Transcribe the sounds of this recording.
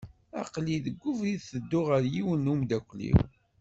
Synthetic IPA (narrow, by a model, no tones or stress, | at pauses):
æqliðəɡʷːʊvɾiðθəd̪ːʊʁəɾjiwənːumd̪ækʷːlḭw